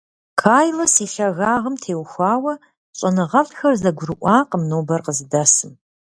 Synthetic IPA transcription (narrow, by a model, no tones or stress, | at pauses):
kʰaːjlɐsiːɬɐɣaːʁəmtʰeːwxʷɑːwɐ | ɕʼɐnɨʁɐɮtxɐrzɐɡʷʊrɨʔʷɑːqəmnoːbɐrqəzɨdɐsɨm